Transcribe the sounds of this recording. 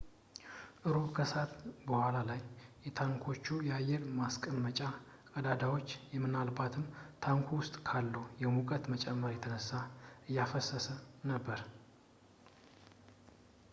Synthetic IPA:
ʔɨɾokʰəsat̪bəhʷalalajjɛt̪ʰaŋkʰo̞t͡ʃːujɛajːɛɾmaskʼəmmːət͡ʃʼa | kʼəd̪ad̪awo̞t͡ʃːjɛmːɨnalbat̪ʰɨmt̪ʰaŋkʰuwʊst̪ʼkʰalːəwjɛmukʼət̪mət͡ʃʼɛmːəɾjɛt̪ʰənəsːaʔɨjːafəsəsənəbːəɾ

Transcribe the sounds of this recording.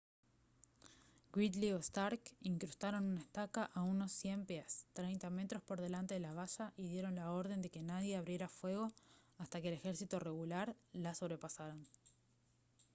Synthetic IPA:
ɡwit̪liost̪aɾkiŋkɾust̪aɾo̞nunaest̪akaʔauno̞sːje̞mpjast̪ɾejnt̪ame̞t̪ɾo̞spo̞ɾð̞e̞lant̪eðelaβaʃaʔiðje̞ɾo̞nlao̞ɾð̞e̞nd̪e̞ke̞naðje̞aβɾje̞ɾafwe̞ɣ̞o̞ast̪ake̞ːle̞xe̞ɾsit̪o̞re̞ɣulaɾlaso̞βɾe̞pasaɾan

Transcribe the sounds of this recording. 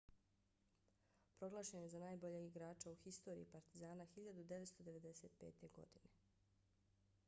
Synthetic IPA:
pɾo̞ɡlˠaːʃenezanaːjbo̞ʎeɡiɡɾaːt͡ʃauxist̪o̞ːɾḭːpaɾt̪izaːnaxiʎad̪ud̪eʋet̪st̪o̞d̪e̞ʋe̞d̪e̞se̞t̪̚pe̞̰ːt̪e̞ɡo̞̰d̪ine̞

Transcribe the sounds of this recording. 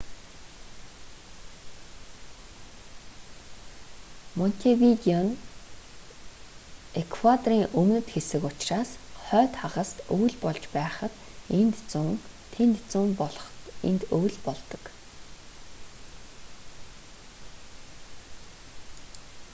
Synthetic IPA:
mɔn̥t̪ʲʰiwit̪iɔn | ekʰwat̪ɔriːŋʔɵmnɘ̆t̪xesɘ̆kʊt͡ɕraːsχœːt̪χaʁə̆st̪ɵwɮpɔɮt͡ɕpæːχə̆t̪ | ent̪t͡suŋ | t̪ʰent̪t͡sʊːmpɮχḛnt̪ɵjɮpɔɮt̪ɞ̥̆k

